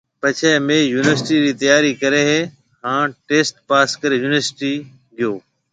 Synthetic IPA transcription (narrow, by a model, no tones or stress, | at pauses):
pət͡ʃʰeːmeːjuːnɪʋəɾsɪʈiːɾiːt̪ɐjaːɾiːkəɾeːɦeː | hãːʈeːsʈpaːskəɾeːjuːnʋəɾsɪʈiː | ɡɪjoː